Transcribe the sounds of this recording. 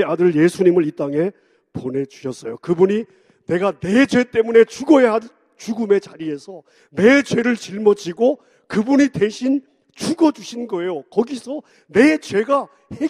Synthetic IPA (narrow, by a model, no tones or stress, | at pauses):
adɯɭjesʰuɲimɯɾit͈aŋe̞ | pone̞d͡ʑuɕʰʌs͈ʌjokɯbuɲi | ne̞ɡane̞d͡ʑwe̞t͈e̞mune̞t͡ɕuɡʌea | t͡ɕuɡume̞t͡ɕaɾie̞sʰʌ | ne̞t͡ɕwe̞ɾɯɭt͡ɕiɭmʌd͡ʑiɡo | kɯbuɲite̞ɕʰin | t͡ɕuɡʌd͡ʑuɕʰinɡʌe̞jokʌɡisʰʌ | ne̞t͡ɕwe̞ɡa | he